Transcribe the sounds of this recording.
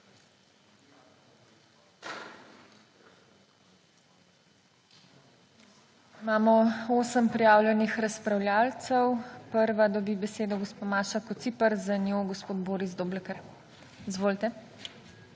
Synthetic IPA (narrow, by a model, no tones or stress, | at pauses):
imaːmɔoːsəmpɾijaːwlʲjɛnixɾaspɾawljaːlt̪səwpəɾʋad̪ɔbiːbɛseːd̪ɔɡospomaːʃakɔt̪siːpəɾzanjoːɡospoːd̪boːɾizd̪oblɛkɛɾ | izʋoːlt̪ɛ